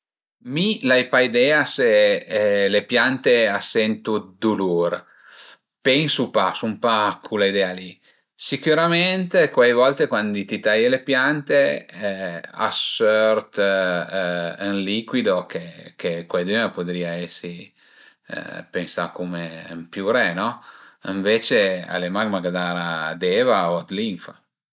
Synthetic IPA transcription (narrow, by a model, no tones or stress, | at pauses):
milajpaid̪ɛːase | lepjant̪easːɛnt̪ud̪ulur | pɛŋsupasumpakʰulaid̪ɛːali | sikuɾament̪ekwajvɔlt̪ekwand̪it̪it̪ajelepjant̪e | a̰sørt̪ | nlikwid̪okʰekekwajd̪evapod̪ɾiːaɛsːḭ | pensakomempjuɾɛnɔiɱveːt͡ʃea̰lemaɡmaɡad̪aːɾad̪eːvaoad̪liɱfa̰